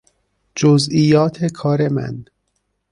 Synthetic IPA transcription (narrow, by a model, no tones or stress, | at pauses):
d͡ʒozijɒːt̪ʰekʰɒːɾemæ̰n